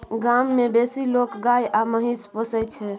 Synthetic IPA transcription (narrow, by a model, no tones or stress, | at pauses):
ɡamːebesilokɡajʔaməɦispəsət͡ʃʰɛ